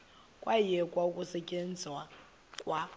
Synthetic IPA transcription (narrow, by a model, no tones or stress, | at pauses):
kʼwajɛkʼwaukʼusɛcʼend͡zʱwa | kʼwa